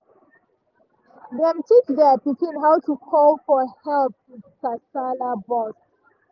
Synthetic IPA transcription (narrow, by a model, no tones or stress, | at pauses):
ðɛ̃mtʰit͡ʃdɛpitʰĩnɦaʊwtukʰɔlfɔhɛlp̚wɪdkasalabɔs